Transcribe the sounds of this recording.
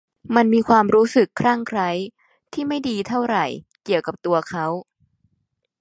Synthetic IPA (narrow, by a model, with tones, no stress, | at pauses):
ma˧nmiː˧kʰwaː˧mɾuː˦˥sɯ˨˩kʰːɾaː˥˩ŋkʰɾa˦˥j | t̪ʰiː˥˩ma˥˩jdiː˧t̪ʰa˥˩wɾa˨˩j | ki˨˩əwka˨˩p̚t̪u˧ɐkʰa˦˥w